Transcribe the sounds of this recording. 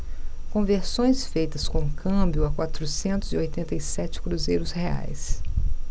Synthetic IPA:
kõveɾsõj̃sfejt̪ɐskõkʰɐ̃bjʊɐkwat̪ɾusẽnt̪ʊziojt̪ẽnt̪ɐisɛt͡ʃɪ̥kɾuzejɾʊshea̰js

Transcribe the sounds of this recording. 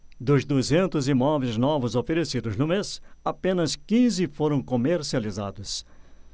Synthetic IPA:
d̪ʊzd̪uzẽnt̪ʊzimɔvejznɔvʊzofeɾesid̪ʊznʊmesapẽnɐskĩzɪfoɾɐ̃w̃komeɾsializa̰d̪ʊs

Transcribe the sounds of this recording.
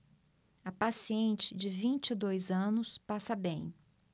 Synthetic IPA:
ɐpasiẽnt͡ʃɪd͡ʒɪvĩnt͡ʃɪd̪ojzɐ̃nʊspasɐbẽj̃

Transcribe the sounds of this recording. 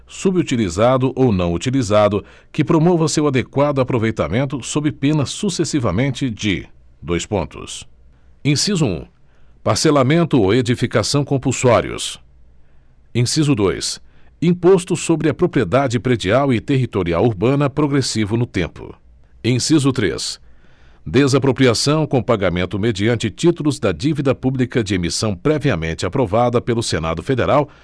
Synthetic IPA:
subɪut͡ʃilizad̪ʊʔownɐ̃w̃ut͡ʃilizad̪ʊ | kɪpɾomovɐsewad̪ekwad̪ʊapɾovejt̪a̰mẽnt̪ʊsobɾɪpẽnɐsusesivɐmẽnt͡ʃɪd͡ʒɪ̰ | d̪ojspõ̰nt̪ʊ̰s | ẽsizʊṵ̃ | paɾselamẽnt̪ʊowed͡ʒifikasɐ̃w̃kõpuwsɔɾḭʊ̰s | ẽsizʊd̪ojs | ĩpost̪ʊsobɾɪɐpɾopɾied̪ad͡ʒɪpɾed͡ʒiawɪt̪eɦit̪oɾiawuɾbɐ̃nɐpɾoɡɾesivʊnʊt̪ḛ̃mpʊ̰ | ẽsizʊt̪ɾḛs | d̪ezapɾopɾiasɐ̃w̃kõpaɡamẽnt̪ʊmed͡ʒiɐ̃nt͡ʃɪt͡ʃit̪ulʊzd̪ɐd͡ʒivid̪ɐpublikɐd͡ʒɪemisɐ̃w̃pɾɛviɐmẽnt͡ʃɪapɾovad̪ɐpelʊsena̰d̪ʊfed̪eɾaw

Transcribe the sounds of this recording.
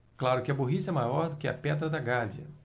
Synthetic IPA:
klaɾʊkɪɐboɦisɐɛmajɔɾd̪ʊkɪɐ̰pɛd̪ɾɐd̪ɐɡaviɐ̰

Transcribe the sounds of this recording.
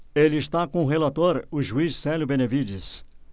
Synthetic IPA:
elɪɪst̪akõʊɦelat̪oɾʊʒuisːɛljʊbẽnevid͡ʒis

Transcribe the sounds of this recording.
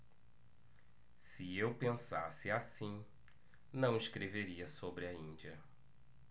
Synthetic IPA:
sɪewpẽsasɪasĩ | nɐ̃w̃iskɾeveɾiɐsobɾɪɐĩnd͡ʒiɐ

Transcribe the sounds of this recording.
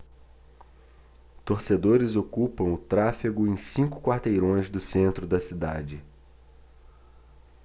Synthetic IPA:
t̪oɾsed̪oɾɪzokupɐ̃w̃ʊt̪ɾafiɡʊẽj̃sĩŋkʊ̥kwaɾt̪ejɾõj̃zd̪ʊsẽnt̪ɾʊd̪ɐsid̪a̰d͡ʒɪ

